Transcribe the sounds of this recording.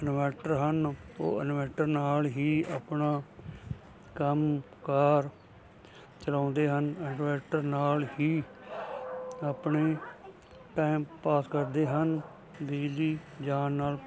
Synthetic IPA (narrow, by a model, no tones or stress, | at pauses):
ənmɛːʈəɾɦəno̰ːənmɛːʈəɾnaːlɦiːaːpnaː | kəm | kaːɾ | t͡ʃəlãːnd̪eːɦənənmɛːʈəɾnaːlɦiː | aːpneː | ʈaːɪmpaːskəɾd̪eːɦən | biːdiːd͡ʒaːnːaːl